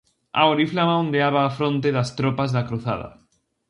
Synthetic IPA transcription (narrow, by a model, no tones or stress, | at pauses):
a̰oɾiflamaõnd̪eaβaːfɾõnt̪eðast̪ɾopazðakɾuθa̰ða̰